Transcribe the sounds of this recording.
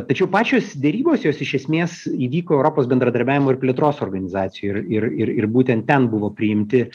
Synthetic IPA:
t̪ɐt͡ʃʲɛʊpɑːt͡ʃʲoːsd̪ʲɛɾʲiːboːsjoːsɪʃʲɛsʲmʲeːsiːʋʲiːkoːɛʊɾoːpoːsbʲɛnd̪ɾɐd̪ɐɾʲbʲæːʋʲɪmoːɪɾpʲlʲeɛt̪ɾoːsoːrɡɐnʲɪzɑːt̪sʲɪjʊɪrɪrɪrɪrbuːt̪ʲɛnt̪̚ʲtʲɛnbʊʋoːpʲɾʲɪɪmʲt̪ʲɪ

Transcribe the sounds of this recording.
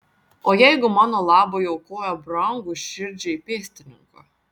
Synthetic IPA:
ɔjɛjɡumanɔlˠaːbɔjɔwkɔːjabɾaŋɡuʃiɾʲd͡ʒijpʲiɛsʲt̪ʲinʲṵŋka

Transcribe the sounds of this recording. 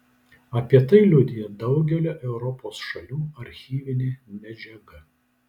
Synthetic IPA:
ɐpʲiɛt̪ɐɪlʲʊd̪ʲɪjɛd̪ɒʊɡʲɛlʲoːʔɛʊɾɔpoːsʃɐlʲuːɐɾʲxʲiːʋʲɪnʲeːmʲɛd͡ʒʲɛɡɐ

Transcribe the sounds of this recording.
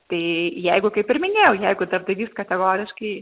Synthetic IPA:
t̪ɐɪjɛɪɡʊkɐɪpɪɾʲmʲɪnʲeːjɛʊjɛɪɡʊd̪ɐrd̪ɐɪʋʲiːst̪kɐt̪ʲɛɡoːɾʲɪʃkɐɪ

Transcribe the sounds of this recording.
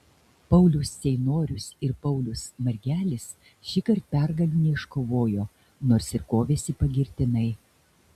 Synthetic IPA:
pɐʊlʲʊsːʲɛɪnoːɾʲʊsɪɾpɐʊlʲʊsmɐɾʲɡʲæːlʲɪs | ʃʲɪkɐɾt̪̚pʲɛɾɡɐlʲuːnʲɛɪʃkoːʋoːjoː | noːɾsɪɾkoːʋʲeːsʲipɐɡʲɪɾʲt̪ʲɪnɐɪ

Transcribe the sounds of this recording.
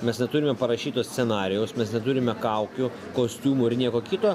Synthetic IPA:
mʲɛsnʲɛt̪uːɾʲɪmʲɛpɐɾɐʃʲiːt̪oːsʲsʲɛnɑːɾʲɪjoːsmʲɛsnʲɛt̪uɾʲɪmʲɛkɐʊkʲʊ | koːsʲt̪ʲuːmʊːɪɾnʲiɛkoːkʲɪt̪oː

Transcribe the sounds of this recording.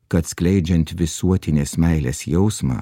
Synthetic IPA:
kɐt̪sklʲɛɪd͡ʒʲɛnt̪ʋʲɪsuɔt̪ʲɪnʲeːsmʲæɪlʲḛːsjɛʊsmɑ̰ː

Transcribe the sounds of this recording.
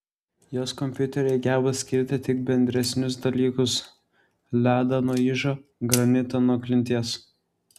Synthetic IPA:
joːskɔmʲpʲjʊt̪ʲɛɾʲɛɪɡʲæːbɐsʲkʲɪɾʲt̪ʲɪt̪ʲɪk̚bʲɛnʲd̪ʲɾʲɛsʲnʲʊs̬d̪ɐlʲiːkʊs | lʲæːd̪ɐnuːiːʒoːɡɾɐnʲɪt̪onɔklʲɪnʲt̪ʲiːs

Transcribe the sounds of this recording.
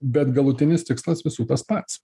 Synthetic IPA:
bʲɛt̪ɡɐlˠʊt̪ʲɪnʲɪst̪ʲɪkslˠɐsʋʲɪsuːt̪ɐspɐt̪s

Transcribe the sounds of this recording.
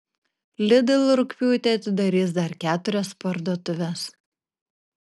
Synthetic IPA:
lʲɪd̪ɪlˠɾʊkʲpʲuːt̪ʲeɐt̪ʲɪd̪ɐɾʲiːsd̪ɐɾkʲæːt̪ʊɾʲɛspɐɾd̪uɔt̪ʊʋʲɛs

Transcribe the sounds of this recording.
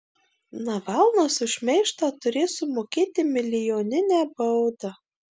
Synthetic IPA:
nɐʋɑˑlˠnoːsʊʃʲmʲɛɪʃt̪ɑːt̪ʊɾʲeːsʊmoːkʲeːt̪ʲɪmʲɪlʲɪjoːnʲɪnʲæbɐʊd̪ɐ

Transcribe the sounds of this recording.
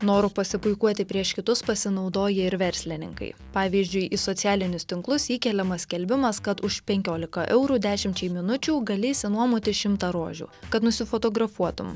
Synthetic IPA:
noːɾʊpɐsʲɪpʊɪkuɔt̪ʲɪpʲɾʲiɛʃkʲɪt̪ʊspɐsʲɪnɒʊd̪oːjɛɪɾʋʲɛɾʲsʲlʲɪnʲɪ̰ŋkɐ̰ɪ | pɑːʋʲiːzʲd͡ʒʲʊɪʔɪsɔt̪sʲæːlʲɪnʲʊst̪ʲɪŋklˠʊsiːkʲɛlʲɛmɐsʲkʲɛlʲbʲɪmɐskɐt̪ʊʃpʲɛŋʲkʲoːlʲɪkɐʔɛʊɾuːd̪ʲæːʃʲɪmʲt͡ʃʲɛɪmʲɪnʊt͡ʃʲuːɡɐlʲɪsʲɪnuɔmuːt̪ʲɪʃʲɪmt̪ɑɾoːʒʲṵːkɐt̪nʊsʲɪfɔt̪oːɡɾɐfuɔt̪ʊ̰m

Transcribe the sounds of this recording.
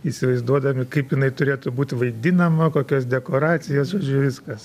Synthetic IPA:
iːsʲɪʋɐɪzd̪uɔd̪ɐmʲɪkɐɪpjɪnɐɪt̪ʊɾʲeːt̪ʊbuːt̪ʲʋɐɪd̪ʲɪnɐmoːkoːkʲoːs̬d̪ʲɛkoːɾɑːt͡sʲɪjoːsʒoːd͡ʒʲʊʋʲɪskkɐs

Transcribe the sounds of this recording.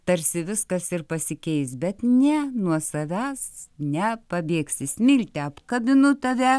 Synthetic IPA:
t̪ɐɾʲsʲɪʋʲɪskɐsɪrpɐsʲɪkʲɛɪsbʲɛt̪nʲɛnuɔsɐʋʲæːsnʲɛpɐbʲeːksʲɪsʲmʲɪlʲt̪ʲɛɐpkɐbʲɪnʊt̪ɐʋʲɛ

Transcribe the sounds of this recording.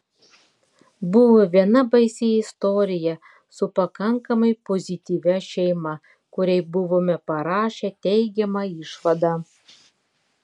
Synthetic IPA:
bʊʋoʋʲiɛnɐbɐɪsʲɪɪst̪ɔɾʲɪjɛ | sʊpɐkɐŋkɐmɐɪpɔzʲɪt̪ʲiːʋʲɛʃʲɛɪmɐ | kʊɾʲɛɪbʊʋomʲɛpɐɾɑːʃʲɛt̪ʲɛɪɡʲɛmɑɪʃʋɐd̪ɑˑ

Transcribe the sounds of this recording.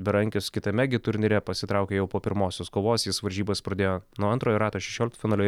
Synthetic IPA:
bʲɛɾɐŋʲkʲʊskʲɪt̪ɐmʲɛɡʲɪt̪ʊɾʲnʲɪɾʲɛpɐsʲɪt̪ɾɑʊkʲeːjɛʊpoːpʲɪɾmoːsʲoːskoːʋoːsjɪsʋɐɾʲʒʲiːbɐspɾɐd̪ʲeːjoːnuɔɐnt̪ɾoːjoɾɑːt̪oːʃʲɛʃʲoːlʲɪkt̪fʲɪnɑːlʲoː

